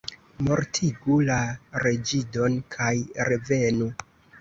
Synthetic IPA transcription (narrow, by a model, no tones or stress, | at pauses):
mo̞ɾtʰiɡulaɾe̞d͡ʒido̞nkʰajɾeve̞nu